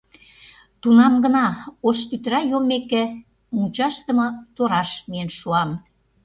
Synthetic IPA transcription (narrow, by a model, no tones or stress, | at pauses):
t̪unɑmɡə̆nɑoʃt̪yt̪ɾɑjomːekĕ | mut͡ɕɑʃt̪ə̆mɤ̆t̪oɾɑʃmienʃuɑm